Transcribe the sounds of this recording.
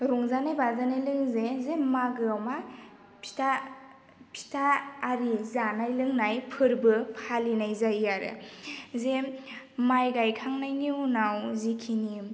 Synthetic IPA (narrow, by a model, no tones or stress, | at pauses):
ɾuŋzanajbazanɯlɯŋzezemaɡɯawma | pʰi̥tʰa | pʰi̥tʰaːɾizanajlɯŋnajpʰɯɾbɯpʰalinajzajjaɾɯ̰zemajɡajkʰaŋnajniunawzikʰini